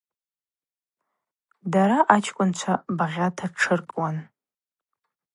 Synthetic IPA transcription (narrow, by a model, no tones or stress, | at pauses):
daɾaʔat͡ʃʰkʷʼʊnt͡ʃʷʰabaʁʲatʰaʈ͡ʂʰɨrkʼwan